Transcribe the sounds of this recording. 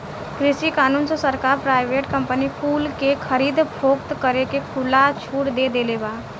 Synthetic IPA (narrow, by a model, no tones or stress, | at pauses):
kɾɪsikaːnuːnsesəɾkaːɾpɾaːɪʋeʈkə̃mpənikʰuːlkekʰəɾiːd̪pʰoːkt̪kəɾekekʰʊlat͡ʃʰuːʈd̪ed̪elebaː